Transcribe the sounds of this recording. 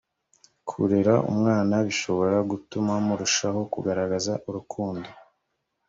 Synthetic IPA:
kʰṵɾeɾaʔṵmŋaːnaβiʃo̞βo̞ɾaɡutumamuɾuʃaho̞kuɡaɾaɡazaʔuɾukʰuːndo

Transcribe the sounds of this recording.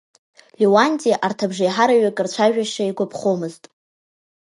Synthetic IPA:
lʲiwanʲdʼijaʔartʰabʐajħaɾaɥakʼɨrt͡ɕʷʰaʒᶣaʃaiɡʷapʰχomɨztʼ

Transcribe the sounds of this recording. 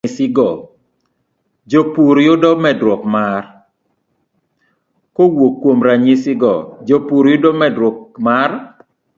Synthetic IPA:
sɪɡɔ | d͡ʒopuɾjʊdɔmɛdɾwɔkmar | kowokːwomɾaɲɪsɪɡɔ̰d͡ʒopuɾjʊdɔmɛdɾɔkmar

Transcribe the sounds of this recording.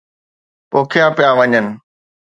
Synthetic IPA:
poːkʰjãːpjãːʋɐɲənɪ̆

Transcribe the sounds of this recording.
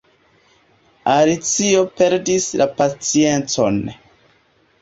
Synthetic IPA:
alit͡sio̞pe̞ɾdislapat͡sie̞nt͡so̞n

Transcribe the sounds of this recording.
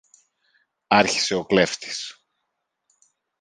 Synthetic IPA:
ɐɾçi̥se̞o̞kle̞ft̪i̥s

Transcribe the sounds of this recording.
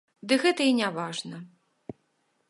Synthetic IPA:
d̪ɨɣɛt̪ɐinʲavaʐnɐ

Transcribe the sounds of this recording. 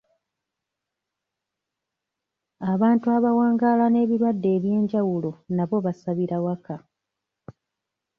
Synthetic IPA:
aβaːntuaβawaːŋɡaːlane̞ːβiɾwadːe̞ːβje̞ːɲɟawulo̞naβo̞βasaβiɾawaka

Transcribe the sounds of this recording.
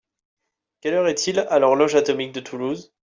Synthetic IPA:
kʲɛlœʁɛt̪ʰilalɔʁlɔʒat̪ɔmik̚d̪ət̪ʰuluz

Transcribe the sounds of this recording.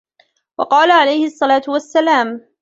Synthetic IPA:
wɑ̰qɑːlaʕalajhɪɑsˤːɑlaːt̪wasːalaːm

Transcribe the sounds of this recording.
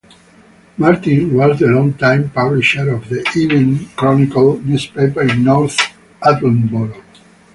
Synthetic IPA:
maɾt̪ĩnwɔzd̪əlɔ̃ŋt̪ãj̃mpabliʃəɾɔvd̪əʔivə̃nkɾɔnikalnjuspepəɾĩnːɔɾθ | at̪l̃nbɔɾ

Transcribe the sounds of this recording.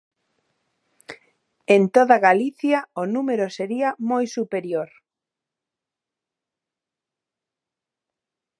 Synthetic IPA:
ent̪oðaɣaliθjaonumeɾoseɾiamojsupeɾjoɾ

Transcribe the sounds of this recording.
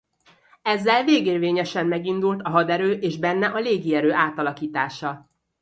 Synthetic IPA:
ɛzːɛlveːɡeːrveːɲɛʃɛmːɛɡind̪ult̪ɒɦɒd̪ɛɾøːʔeːʒbɛnːɛʔɒleːɡiɛɾøːʔaːt̪ɒlɒkiːt̪aːʃɒ

